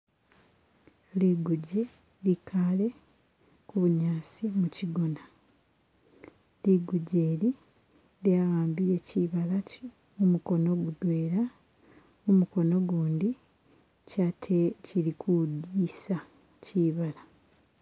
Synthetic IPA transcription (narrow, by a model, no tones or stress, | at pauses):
liɡuɟe | likʰale̞ | kuβuɲaːsimuciɡo̞na | liɡuɟeːli | ljaɣaːmbije̞ciːβala | mumuko̞no̞ɡudweːɾa | mumuko̞no̞ɡuːndi | catʰeciɾikʰudisa | ciːβala